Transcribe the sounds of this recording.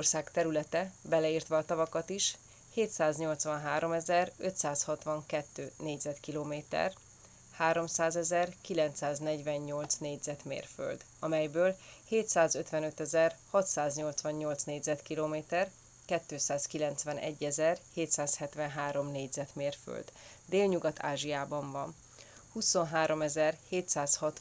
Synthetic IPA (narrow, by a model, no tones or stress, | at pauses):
orsaːkt̪ɛɾylɛt̪ɛbɛlɛiːrt̪ʋɒːt̪ɒvɒkɒt̪iʃ | heːt̪saːzɲo̞lt̪sʋɒnɦaːɾo̞mɛzɛrøt̪saːshɒt̪ʋɒŋkɛt̪ːøːneːɟzɛt̪kiloːmeːt̪ɛ̰r | haːɾo̞msaːzɛzɛrkilɛnt̪saːznɛɟvɛɲɲo̞lt̪sneːɟzɛt̪mḛːrfø̰ld̪ | ɒmɛjbøːlheːt̪saːzøt̪ʋɛnø̞t̪ɛzɛrhɒt̪saːzɲo̞lt̪sʋɒɲɲo̞lt̪sneːɟzɛt̪kiloːmeːt̪ɛr | kɛt̪ːøːsaːskilɛnt̪sʋɛnʔɛ̰ɟːɛzɛrheːt̪saːshɛt̪ʋɛnɦaːɾo̞mneːɟzɛt̪meːrfø̰ld̪ | d̪eːlɲuɡɒt̪ʰa̰ːʒijaːbɒɱvɒn | huso̞nɦaːɾo̞mɛzɛrheːt̪saːshɒt̪